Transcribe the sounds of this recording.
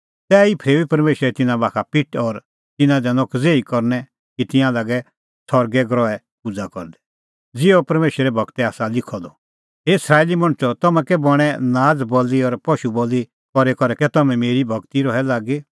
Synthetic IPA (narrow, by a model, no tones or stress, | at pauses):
t̪ɛːipʰɾeːbipɐɾmeːʃɾɛt̪ɪnãbaːkʰapɪʈɔɾ | t̪ɪnãd̪ɛ̃nɔkd͡zeːikɔɾnɛ | kit̪ɪ̃jãlaːɡɛ | t̪ʰɔɾɡɛɡɾɔɛ | pʊd͡zakɔ̰ɾd̪ɛ̥ | d͡zɪopɐɾmeːʃɾɛbʱɐɡt̪ɛaːsalɪkʰɔd̪ɔ | ɦeɪsɾaːelimɐ̃ɽ̃t͡ʃɔt̪ɐmɛ̃kɛbɔɽ̃ɛ̃naːd͡zbɔliɔɾpɔʃuboːlːi | kɔɾɛkɔɾɛkɛt̪ɐmɛ̃meːɾibʱɐkt̪iɾɔɦɛlaːɡe